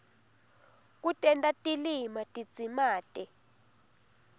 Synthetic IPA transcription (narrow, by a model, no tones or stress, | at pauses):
k̬ʼutʼɛntʼatʼilimatʼid̥d͡z̥ʱimaːtʼɛ